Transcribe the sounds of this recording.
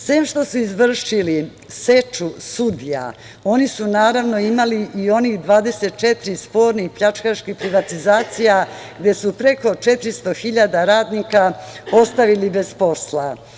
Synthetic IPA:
seːmʃt̪o̞suizʋr̩ʂili | set͡ʂusud̪ija̰ | o̞nisunaːɾaʋno̞imaliʔio̞nixd̪ʋaːd̪e̞se̞t̪̚t͡ʃe̞t̪ɾispo̞ːɾnixpʎat͡ʃkaʃkipɾiʋat̪izaːt̪sijaɡd̪e̞supɾe̞ko̞t͡ʃe̞t̪ɾist̪o̞xiʎad̪aɾaːd̪nikapo̞st̪aʋilibe̞spo̞sla

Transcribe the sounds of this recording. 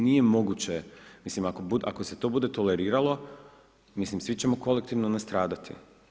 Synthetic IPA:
nije̞mo̞ɡut͡ɕe̞mislimakobud̪ʔakoset̪o̞bud̪e̞t̪o̞le̞ɾiːɾalˠo̞ | mislimsʋit͡ɕe̞mo̞ko̞lekt̪iːʋnonast̪ɾaːd̪at̪ʰḭ

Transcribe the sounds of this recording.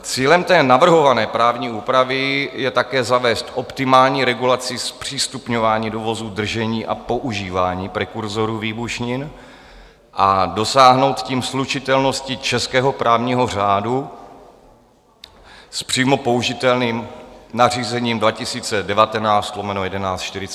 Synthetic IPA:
t͡siːlɛmt̪ɛːnavr̩ɦo̞vanɛːpɾaːvɲiːuːpɾavɪjɛt̪akɛːzavɛːst̪ʔo̞pt̪ɪmaːlɲiːɾɛɡulat͡sɪspr̥iːst̪upɲo̞vaːɲiːdovo̞zuːd̪r̩ʒɛɲiːʔa̰po̞ʔuʒiːvaːɲiːpɾɛkuɾzo̞ɾuːviːbuʃɲɪn | ʔado̞saːɦno̞wt̪ciːmslut͡ʃɪt̪ɛlno̞scɪt͡ʃɛskɛːɦo̞pɾʔaːvɲiːɦo̞r̝aːdu | spr̝̥iːmo̞po̞uʒɪt̪ɛlniːmnar̝iːzɛɲiːmdvacɪsiːt͡sɛdɛvat̪ɛnaːt͡st̪lo̞mɛnojɛdɛnaːt͡st̪ʃt̪ɪɾɪt͡s

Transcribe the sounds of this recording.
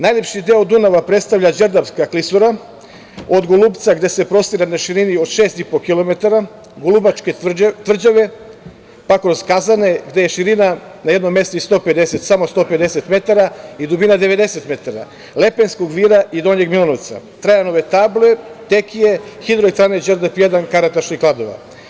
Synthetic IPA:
najlepʃid̪eod̪unaʋapɾet̪st̪avʎʲad͡ʒeɾd̪apskaklisuɾa | od̪ɡolˠuːpt̪saɡd̪e̞se̞pɾo̞st̪iɾanaʃiɾiniod̪ʃeːst̪ipokilˠo̞me̞t̪aɾa | ɡolˠubat͡ʃke̞t̪ʋr̩d͡ʑaʋe̞ | pakɾo̞zkazane̞ɡd̪e̞jeʃiɾina | najed̪no̞mːe̞st̪oist̪o̞pe̞d̪eset̪samo̞st̪o̞ːpe̞d̪eset̪me̞t̪aɾaid̪ubinad̪eʋe̞d̪eset̪me̞t̪aɾa̰ | le̞penskoɡʋiːɾaʔid̪o̞ɲeɡmilˠonoʋt̪sa̰t̪ɾajanoʋet̪aːblet̪ekije̞xid̪ɾoit̪ɾaned͡ʒeɾd̪apjed̪ankaɾat̪aʃnixklˠad̪oʋa̰

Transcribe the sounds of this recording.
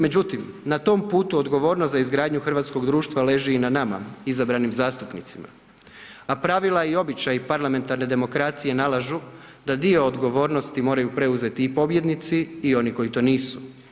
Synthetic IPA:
me̞d͡ʑut̪im | nat̪o̞mpuːt̪uo̞d̪ɡo̞ʋo̞ːɾnost̪zaizɡɾaːd̪ɲuxr̩ʋat̪sko̞ɡd̪ɾuːʃt̪ʋale̞ʒɛinanama̰izabɾanimzaːst̪upnit̪sima̰ | apɾaʋilˠaio̞bit͡ɕajipaɾlˠame̞nt̪aɾne̞d̪e̞mo̞kɾat̪sije̞nalˠaʒu | d̪ad̪io̞ːd̪ɡo̞ʋo̞ːɾno̞st̪imo̞ːɾajupɾe̞uze̞t̪iipo̞bje̞d̪nit̪siːo̞niko̞jit̪o̞ːniːsu̥

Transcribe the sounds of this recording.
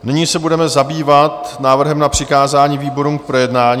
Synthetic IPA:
nɪɲiːsɛbudɛmɛzabiːvat̪naːvr̩ɦɛmnapr̝̥ɪkaːzaːɲiːviːbo̞ɾumkpɾo̞jɛdnaːɲ

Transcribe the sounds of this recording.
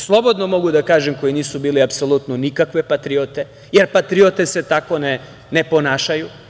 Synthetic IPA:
slˠo̞bo̞d̪nomo̞ɡud̪akaːʒemko̞jiniːsubiːliapsolˠut̪nonikakʋe̞pat̪ɾiot̪e | jeɾpat̪ɾiot̪e̞set̪ako̞ne | ne̞po̞naːʃaju

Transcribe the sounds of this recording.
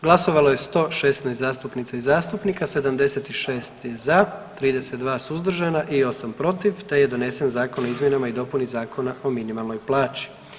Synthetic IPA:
ɡlˠaso̞ʋalo̞je̞st̪o̞ːʃe̞st̪najst̪zaːst̪upnit̪saizaːst̪upnikase̞d̪amd̪e̞se̞t̪iʃe̞ːst̪jezat̪ɾiːd̪e̞se̞t̪̚d̪ʋaːsuuzd̪r̩ʒanaʔio̞sampɾo̞t̪iʋt̪e̞je̞d̪o̞ne̞senzaːko̞noizmje̞namaid̪o̞punizaːkʰo̞naʔo̞minimalno̞jplˠaːt͡ɕi̥

